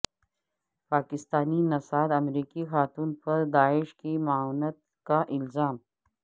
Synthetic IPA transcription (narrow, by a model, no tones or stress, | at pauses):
paːkɪst̪aːninɐsaːd̪ɐmɾiːkixaːt̪uːnpɐɾd̪aːɪʃkimawnət̪̚ | kaʔɪlzaːm